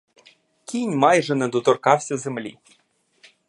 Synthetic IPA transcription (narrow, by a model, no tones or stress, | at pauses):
kʲijnʲmɑjʐɛnɛd̪ɔt̪ɔrkɑwsʲɐzɘmlʲḭ